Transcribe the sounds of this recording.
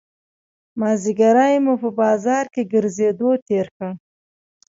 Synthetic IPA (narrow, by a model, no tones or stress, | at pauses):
mɑziɡaɾajmupəbɑzɑɾkeɡəɾzed̪ot̪eɾkə